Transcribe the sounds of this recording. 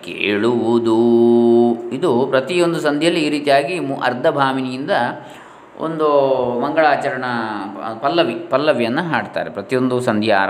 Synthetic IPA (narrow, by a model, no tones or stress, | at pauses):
kḛːɭuʋud̪u | id̪upɾɐt̪ijo̞nd̪usɐnd̪ʱjɐlːiːɾiːt̪ijaːɡimuʔɐ̰ɾd̪ʱɐbʱaːminijind̪ɐ | o̰nd̪umɐŋɡɐɭaːt͡ʃɐɾɐɳɐpɐlːɐʋipɐlːɐʋjɐnːɐɦaːɽt̪a̰ːɾepɾɐt̪ijo̞nd̪usɐnd̪ʱjɐːɾ